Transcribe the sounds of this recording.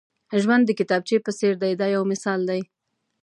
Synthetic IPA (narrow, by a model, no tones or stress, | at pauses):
ʒwand̪ːəkɪt̪ɑb̚t͡ʃepəseɾd̪ajd̪ɑjawmɪsɑld̪aj